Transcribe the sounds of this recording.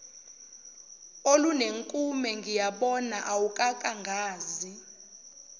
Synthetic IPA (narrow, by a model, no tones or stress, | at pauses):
oluneŋkʼumɛŋɡʱijaɓɔnaʔawukʼakʼaŋɡʱaːzi